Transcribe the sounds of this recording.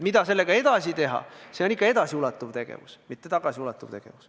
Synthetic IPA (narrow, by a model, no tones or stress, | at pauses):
mid̪̥ɑse̞lːeɡ̥ɑe̞d̪̥ɑsit̪e̞ɦɑ̰se̞onikːˑɑe̞d̪ɑsiulɑt̪ːˑuvt̪e̞ɡ̥ḛvusmit̪ːe̞t̪ɑɡ̥ɑsiulɑt̪ːˑuvt̪e̞ɡ̥e̞̰vus